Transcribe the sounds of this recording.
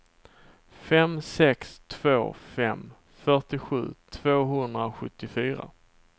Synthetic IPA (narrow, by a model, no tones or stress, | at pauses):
fɛmsɛkst̪ʰv̥o̰ːfɛ̰m | fœʈɪɧʉ̟̰ːt̪ʰv̥oːɦɵnd̪ɾaoɧɵt̪ːɪfyːɾa̰